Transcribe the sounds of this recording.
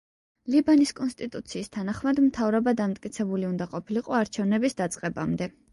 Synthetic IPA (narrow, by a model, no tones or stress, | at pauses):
libaniskʼɔnst̪ʼit̪ʼut̪sʰiːst̪ʰanaχmad̪mt̪ʰavɾɔbad̪amt̪ʼkʼit̪sʰɛbuliund̪aqʼɔpʰiliqʼɔaɾt͡ʃʰɛvnɛbisd̪at̪sʼqʼɛba̰md̪ɛ